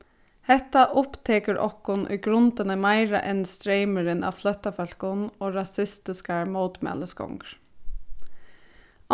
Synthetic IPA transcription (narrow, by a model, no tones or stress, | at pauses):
hɛt̪aʔʊpt̪ʰeːkəɾʔɔ̰kʊnʔʏ̰ːɡɾʊnt̪ənəmæɪɹə̰ʔɛnst̪ɾeɪməɾɪnɑ̰ːʋflœt̪ɑfœl̥kʊnoːɹɑsɪst̪ɪskɑɹmoːt̪mɛ̰ləskɔ̰ŋɡɹ